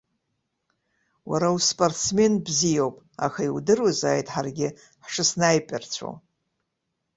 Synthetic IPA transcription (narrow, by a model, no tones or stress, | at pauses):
waɾauspʼortsme̞nbzijowpʼ | a̰xaiwdɨruzaːjtʼħarɡʲɪ | ħʂɨsnajpʼɪrt͡ɕʷʰo̰